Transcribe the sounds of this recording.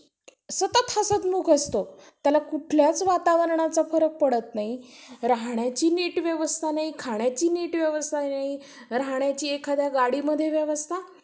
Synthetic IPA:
sət̪ət̪hasət̪muːkʰəst̪ot̪jalakuʈʰljat͡sʋat̪aʋəɾɳat͡safəɾək̚pəɽət̪naɦiɾaɦɳjat͡ɕiːneʈʋjəʋəst̪ʰanaɦikʰaɳ̃jat͡ɕiːneʈʋjəʋəst̪ʰainaɦi | ɾaɦɳjat͡ɕiːekʰad̪jaɡaɽiːməd̪ʱːjeʋjəʋəst̪ʰa

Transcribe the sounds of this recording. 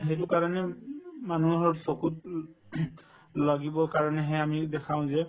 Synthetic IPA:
ɦejtʊkaɹɔnɛmanuɦɔɹsokut̚ | laɡibɔkaɹɔnɛɦɛamidɛkʰãʊ̃zɛ

